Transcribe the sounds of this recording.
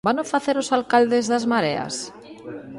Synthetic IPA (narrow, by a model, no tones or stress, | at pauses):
banofaθeɾosalkald̪ezðazmaɾea̰s